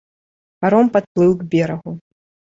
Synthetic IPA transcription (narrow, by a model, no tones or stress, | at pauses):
paɾɔmpat̪̚plˠɨwɡbʲɛɾɐɣu